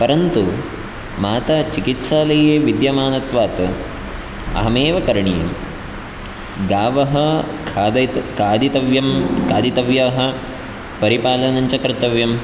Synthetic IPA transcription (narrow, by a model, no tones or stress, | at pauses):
pɐɾɐnt̪u | maːt̪ɐt͡ʃikit̪saːlɐjeːʋid̪jɐmaːnɐt̪ʋaːt̪ | ɐ̰ɦɐmeːʋɐkɐɾɐɳijɐ̰m | ɡaːʋɐɦɐ | kʰːd̪ɐkaːd̪it̪ɐʋjɐmkaːd̪it̪ɐʋjaɦɐ̆ | pɐɾipaːlɐnɐɲt͡ʃɐkɾt̪ɐʋjɐm